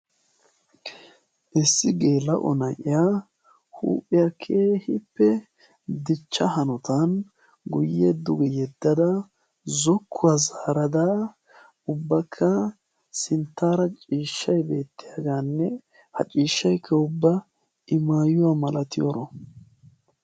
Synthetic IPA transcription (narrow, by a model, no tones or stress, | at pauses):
ʔɪsːɪɡe̞ːlɐʔɔ̰nɐjʔɪja | hṵːpʼːɪjakʰeːhɪpːɛ | d̪ɪt͡ʃːɐhɐnɔt̪ɐn | ɡʊjːɛd̪ʊɡɛjɛd̪ːɐd̪ɐ | zɔkʰːʊwazaːɾɐd̪a | ʊbːɐkʰːɐ | sɪnt̪ːaːɾɐt͡ʃʼiːʃːɐjbe̞ːt̪ːɪjɐɡaːnːɛ | hɐ̰t͡ʃʼiːʃːɐjkʰːɐʊbːɐ | ɪmaːjʊwaːmɐlɐt̪ɪjɔɾɔ